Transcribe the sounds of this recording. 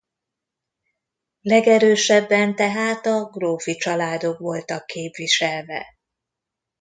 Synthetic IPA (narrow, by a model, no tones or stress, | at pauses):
lɛɡɛɾøːʃɛbːɛnt̪ɛɦaːt̪ɒɡroːfit͡ʃɒlaːd̪o̞kʋo̞lt̪ɒkːeːpʋiʃɛlvɛ̰